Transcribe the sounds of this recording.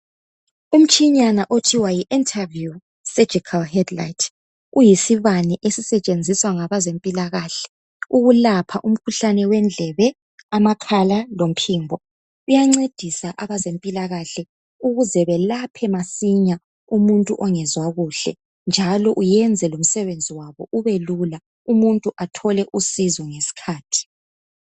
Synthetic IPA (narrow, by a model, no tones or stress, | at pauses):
um̩t͡ʃʰʼiɲanaʔotʰiwajiʔintʼʰavju | sɛ̥ʒ̥ʱikʰalhɛdlajtʰ | ujisiβaniʔesisɛt͡ʃʼend͡zʱiswaŋaβazempʼilaɣaːɬɛ̥ | uɣulapʰaʔum̩kʰuɬanɛwɛnd͡ɮʱɛβɛ | amakʰalalom̩pʰiːmbʱɔ | ujaŋ͡ǀed̥ʱisaʔaβazempʼilaɣaɬɛ | uɣuzɛβɛlapʰɛmasiɲa | umuntʼuʔɔŋɛzwaɣuɬɛ̰ | nd͡ʒʱalɔʔujɛnd͡zʱɛlom̩sɛβend͡zʱiwaβɔʔuβelula | umuntʼuʔatʰɔlɛʔusizɔŋesi̥kʰaːtʰi̥